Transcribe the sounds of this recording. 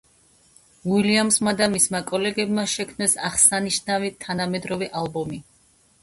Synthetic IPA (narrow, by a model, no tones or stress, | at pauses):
uiliamsmad̪amismakʼɔlɛɡɛbmaʃɛkʰmnɛsaχsaniʃnavit̪ʰanamɛd̪ɾɔvɛʔalˠbɔmi